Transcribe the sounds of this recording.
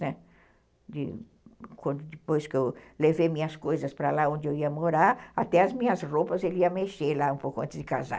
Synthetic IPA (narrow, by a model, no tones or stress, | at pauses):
nɛ | d̪ɪ̰ | kwɐ̃nd̪ʊd̪ɪpojskɪewlevemĩɲɐskojzɐspɾalaõnd͡ʒ̪ɪewiɐmoɾaɾat̪ɛɐzmĩɲɐzropɐzeliɐmeʃelaũmpowkʊɐ̃t̪ɪzd̪ɪkaza̰